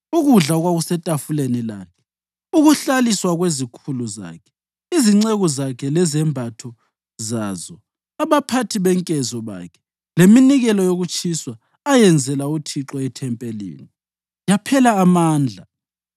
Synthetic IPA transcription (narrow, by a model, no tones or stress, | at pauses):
uɣuɮaɣwaɣusɛtʼafulenila̰ːkʰɛ̥ | uɣuɬaliswaɣwezikʰuluza̰ːkʰɛ̥ | iziŋ͡ǀeɣɔzakʰɛlɛzɛmbʱatʰɔ | zazɔ | aβapʰatʰiβɛŋkʼɛzɔβa̰ːkʰɛ̥ | leminiɣɛlɔjoɣut͡ʃʼiswaː | jɛnd͡zʱɛlautʰiǁɔɛtʰɛmpʼelḭːni | japʰɛlaːmaːnd͡ɮʱa